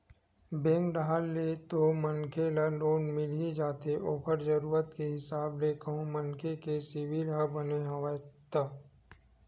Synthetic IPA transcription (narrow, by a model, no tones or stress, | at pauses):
bẽːŋkɖaalːet̪omənkʰelaloːnmɪlid͡ʒaːt̪eʔoːpəɾzəɾuːɾət̪keɦɪsaːblekəɦũmɐnkʰekesɪʋilɦəbɐneɦɐʋat̪aː